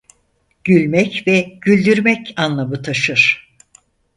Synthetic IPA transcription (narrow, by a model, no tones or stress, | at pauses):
ɟ̥ylʲmɛcvɛɟ̥ylʲd̪yɾmɛcʰanlˠamɯt̪ʰaʃɯɾ̥